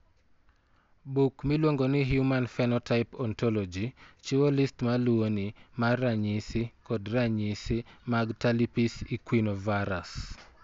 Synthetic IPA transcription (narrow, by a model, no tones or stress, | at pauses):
bukmilwoŋɡonɪɦjumanfɛnɔtaɪpɔntʰɔlɔd͡ʒit͡ʃiwolistmaluonimarːaɲisɪkɔdraɲisimaɡtalipisikwinɔvaɾas